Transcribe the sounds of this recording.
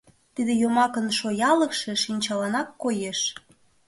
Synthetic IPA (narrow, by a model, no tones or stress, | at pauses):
t̪id̪ejomɑkənʃojɑləkʃeʃinʲt͡ɕɑlɑnɑkːojeʃ